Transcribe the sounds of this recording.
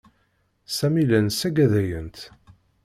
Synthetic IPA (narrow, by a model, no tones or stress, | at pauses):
sæmilənsæɡæðæjə̰nt̪